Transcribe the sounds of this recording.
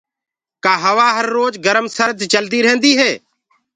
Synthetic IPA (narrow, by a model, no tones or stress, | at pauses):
kaːɦəʋaːɦəɾːoːd͡ʒɡəɾəmsəɾd̪t͡ʃəld̪iːɾɦẽːnd̪iːɦeː